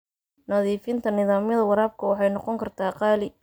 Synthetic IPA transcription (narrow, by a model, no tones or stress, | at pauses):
nɐðiːfɪnt̪ʰɐnɪðaːmjɐðɐwɑɾaːb̚kʰɐwɑħɑjnɔqɔŋkʰɐrt̪ʰaːqɑːlɪ